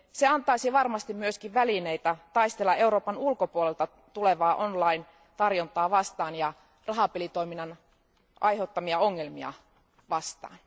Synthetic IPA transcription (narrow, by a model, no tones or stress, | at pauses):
seɑnt̪ɑisiʋɑrmɑst̪immyøskiʋʋælineit̪æt̪ɑist̪elːɑʔe̞uɾo̞ːpɑnulkopuolelt̪ɑ | t̪uleʋɑːʔonlɑin | t̪ɑrjont̪ɑːʋɑst̪ɑːnjɑ | rɑɦɑpelit̪o̞jminːɑn | ʔɑjheut̪ːɑmiɑoŋːelmiɑ̰ | ʋɑst̪ɑ̰ːn